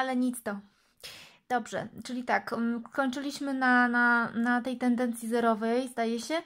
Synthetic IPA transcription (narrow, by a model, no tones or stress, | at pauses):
alɛɲit̪st̪ɔ | d̪̥ɔbʐɛ̰t͡ʂɘlʲit̪akskɔɲt͡ʂɘlʲiɕmɘnananat̪ɛjt̪ɛnd̪ɛnt̪sʲjizɛɾɔvɛjzd̪ajɛɕɛ